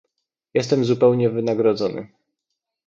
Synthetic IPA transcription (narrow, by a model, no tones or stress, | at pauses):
jɛst̪ɛmzupɛwɲɛvɘnaɡɾɔd̪zɔnɘ̰